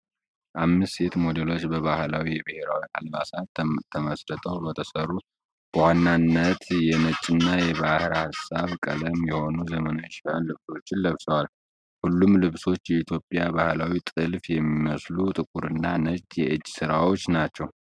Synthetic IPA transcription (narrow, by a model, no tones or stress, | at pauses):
ʔamːɨsse̞t̪mo̞d̪elo̞t͡ʃːbəβahlawijɛbɨhe̞ɾawia̰lbasat̪t̪ʰəməsɾət̪ʼʰəwbət̪ʰəsərːu | b̥əwanːanːət̪jɛnət͡ʃʼːɪnːajɛβahɨɾhasaβkʼə̰ləmjɛho̞nuzəmənaʃhanlɨβso̞t͡ʃːɪnləβsəwal | hulːumlɨβso̞t͡ʃːjɛit̪ʰjo̞pʼjabahlawit̪ʼɨlfjɛmːiməslut̪ʼɨkʼuɾɨnːanət͡ʃʼjɛʔɨd͡ʒːsɨɾawo̞t͡ʃːnat͡ʃːɛw